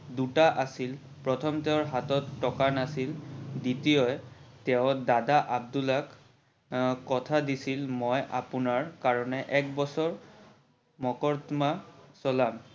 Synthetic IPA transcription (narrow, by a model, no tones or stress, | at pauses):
dutaʔasil | pɹɔtʰɔmtɛʊɹɦatɔtːɔkanasilditijɔjtɛʊdadaʔab̚dulak | kɔtʰadisilmɔjʔa̰punaɹkaɹɔnɛʔɛk̚bɔsɔɹ | mɔkɔɹtmasɔlam